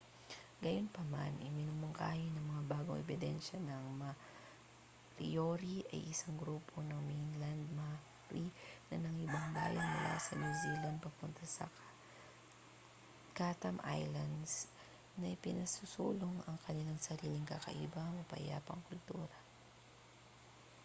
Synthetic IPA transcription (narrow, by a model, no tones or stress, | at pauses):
ɡɐjonpɐma̰nʔɪmɪnʊmoŋka̰ːjonɐŋmɐŋabaːɡoŋʔɛ̰bɪd̪ɛnʃɐnɐŋmɐ | ɾḭjoɾiʔɐ̰jʔɪsaŋɡɾuːpʰonɐŋminland̪̚ma | ɾinɐ̰nɐŋɪbaŋba̰ːjɐnmʊla̰sɐnjuzilɐnd̪̚pɐpʊnt̪asɐ̰k | kat̪ɐmʔa̰jlɐnd̪s | nɐɪpɪnɐsusṵːloŋɐŋkɐnɪlaŋsɐɾiːlɪŋkakɐ̰ʔḭbɐmɐpɐ̰ja̰ːpɐŋkʊlt̪uːɾɐ